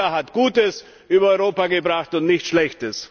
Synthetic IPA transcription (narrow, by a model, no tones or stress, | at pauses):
aɦatɡ̥uːtəs | ʔyːbɐɔʏʁoːpaɡəbʁaχtʊntnɪçtʃlɛçtəs